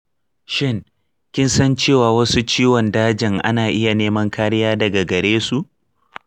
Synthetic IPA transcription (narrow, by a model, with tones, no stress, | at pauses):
ʃɪ˦ŋ | kʲɪ˦nsɐ˦nt͡ʃeː˦˨waː˨wɐ˦su˦t͡ʃiː˦wɔ˨ndaː˦d͡ʒɪ˨ŋʔa̰˦naː˨ʔɪ˦ja˨neː˦mɐ˦ŋkʰaː˦ɽɪ˦jaː˦dɐ˨ɡa˨ɡɐ˨ɽeː˦su˨ʔ